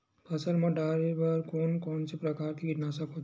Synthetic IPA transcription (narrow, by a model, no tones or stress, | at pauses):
pʰəsəlmãɖaːɾebəɾkoːnkɔːnsepɾəkaːɾt̪ʰikiʈ̪nasəkot̪